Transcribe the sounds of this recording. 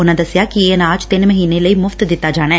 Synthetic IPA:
unɐd̪ɐsjaːkieːnaːt͡ʃt̪enmɐɦinelɐjmʊft̪d̪it̪ːaːd͡ʒaːɳe

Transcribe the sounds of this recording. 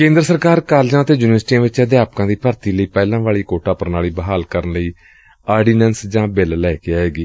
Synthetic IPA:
kẽːnd̪ɾəsəɾkaːɾkaːld͡ʒãːət̪eːjuːnɪʋəɾsʈiːãːʋɪt͡ʃəd̪jaːpkãːd̪iːpəɾt̪iːləiːpɛːlãːʋaːɭiːkoːʈaːpəɾnaːɭiːbəɦaːlkəɾənləiː | aːɾɖiːnɛːnsd͡ʒãːbɛllɛːkeaːɦeːɡiː

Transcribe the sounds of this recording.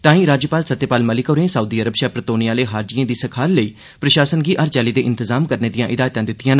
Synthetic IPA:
t̪ãːĩːɾaːd͡ʒjəpaːlsət̪ːjepaːlməlɪkoːɾẽːsəuːd̪iːəɾəbʃɛːpɾət̪oːnijaːleːɦaːɾd͡ʒijãːd̪iːsəkʰaːɾləiː | pɾəʃaːsənɡiːʔəɾt͡ʃɛːliːd̪eːʔɪnt̪ɪzaːmkəɾneːd̪ijãːʔɪd̪aːjt̪ãːd̪ɪt̪ːijãːn

